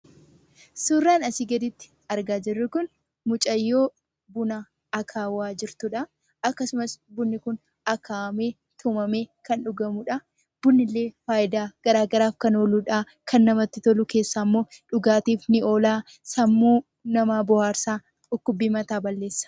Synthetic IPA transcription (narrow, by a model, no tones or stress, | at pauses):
suːrːaːnɐsiɡɐd̪ɪt̪ːɪ̥ | ɐɾɡaːd͡ʒɪrːʊkʊn | mʊt͡ʃʼɐjːo̞ː | bʊna | ɐkʰaːwaːd͡ʒɪɾt̪ʊᶑɐ | ɐkːɐsʊmɐsbʊnːɪkʊn | ɐkʰaːɐmeː | t̪ʰʊmɐme̞ːkɐnᶑʊɡɐmʊᶑɐ | b̥ʊnːɪlːe̞ːfaːjɪd̪aːɡ̥ɐɾaːɡɐɾaːfkɐnoːluːᶑaː | kʰɐnːɐmɐt̪ːɪt̪ɔlʊke̞ːsːaːmːo̞ːᶑʊɡaːt̪iːfnɪo̞ːlaː | sɐmːuː | nɐmaːbʊhaːɾsaː | tʊkːʊbːiːmɐt̪aːbɐlːe̞ːsːɐ̥